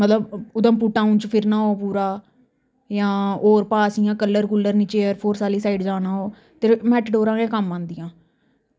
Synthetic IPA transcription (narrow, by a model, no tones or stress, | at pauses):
mət̪ləbʊd̪ə̃mpuʈːãːũːnt͡ʃpʰɪɾnaːoːpuːɾaː | jãːoːɾpaːsiːãːkəlːəɾkʊlːəɾnɪt͡ʃeːəɾpʰoːɾsaːliːsaːiɖd͡ʒaːnãːɦoː | t̪eːmɛːʈɖoːɾãːɡẽːkəmːãːnd̪ɪjãː